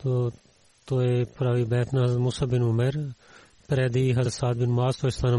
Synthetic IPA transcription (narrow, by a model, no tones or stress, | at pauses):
t̪o | t̪oːepʊɾaːʋiːbɛːt̪ʰnaːɦəzmuːsaːbɪnʊmeɾ | pɪɾɛːd̪iːɦɐsaːd̪̚bɪnmaːzt̪oːɪst̪aːn